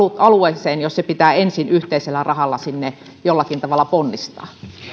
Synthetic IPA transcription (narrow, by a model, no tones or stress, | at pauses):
uɑlueseːnjossepit̪æːensinyht̪eiselːærɑhɑlːɑsinːe | jolːɑkint̪ɑʋɑlːˑɑponːist̪ɑ̰ː